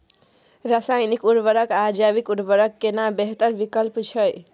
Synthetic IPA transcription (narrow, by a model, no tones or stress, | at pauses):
ɾasajnikuɾbəɾəkad͡ʒabikuɾbəɾəkːenabeɦt̪əɾbikəlpt͡ʃʰəj